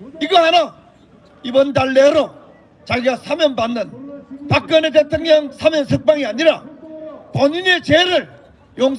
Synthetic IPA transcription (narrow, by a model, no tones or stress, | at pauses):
iɡʌɦana | ibʌndaɭːeɾo | t͡ɕaɡiɡasʰamjʌnbanːɯnpak̚k͈ʌnet̬etʰoŋɲʌŋsʰamjʌnsʰɯk̚p͈aŋiaɲiɾa | pʌɲine̞t͡ɕeɾɯɭ | joŋ